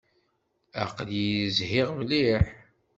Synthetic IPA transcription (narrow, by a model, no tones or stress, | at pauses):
æ̰qəljzhɪʁmliħ